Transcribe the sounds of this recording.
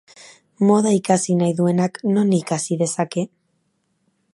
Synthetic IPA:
mo̞ðaikasinajðue̞nakno̞nikasiðe̞sake̞

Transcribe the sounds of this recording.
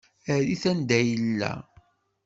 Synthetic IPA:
æðiθænd̪æjəlːæ̰

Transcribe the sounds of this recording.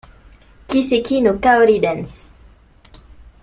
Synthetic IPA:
kisekinokaoɾid̪ɛns

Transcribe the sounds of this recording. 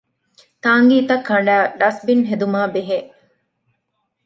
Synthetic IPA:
t̪aːŋɡiːt̪ɐkʰːɐɳɖæːɖɐsbinɦed̪umaːbeɦeː

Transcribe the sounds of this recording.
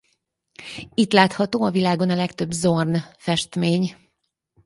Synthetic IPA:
it̪laːt̪hɒt̪oːɒvilaːɡo̞nɒlɛkt̪ø̞bzornfɛʃt̪meːɲ

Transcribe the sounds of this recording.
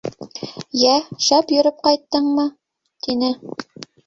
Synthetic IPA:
jæʃɑpjɵ̆ɾɘp̚qɑjt̪ːɤɴmɤ | t̪inɘ

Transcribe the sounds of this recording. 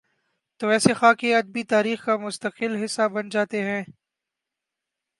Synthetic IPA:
t̪oːʋɛːsexaːkeɐd̪̚bit̪aːɾiːxkamʊst̪əqɪlɦɪsːabɐnd͡ʒaːt̪eɦɛ̃ː

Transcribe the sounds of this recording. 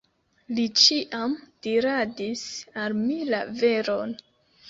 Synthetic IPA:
lit͡ʃiʔamd̥iɾadisalmila̰veɾon

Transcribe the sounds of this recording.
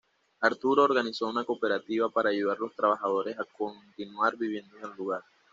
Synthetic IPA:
aɾt̪uɾo̞ːɾɣaniso̞unako̞pe̞ɾat̪iβapaɾaːʝuð̞aɾlo̞st̪ɾaβaxað̞o̞ɾe̞sako̞nt̪inwaɾbiβ̞je̞nd̪onelːuɣaɾ

